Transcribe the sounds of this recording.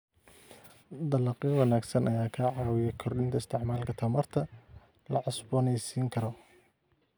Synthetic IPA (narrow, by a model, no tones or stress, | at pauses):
d̪ɐlɑqiwɑnaːɡsɐnɐjaːkʰaʕɑːwɪjɛkʰɔrɗɪnt̪ʰɐɪst̪ʰɪʕmaːlkʰɐt̪ʰɐmɐrt̪ʰɐ | lɐʕʊsbɔnɛjsiːŋkʰɐɾɔ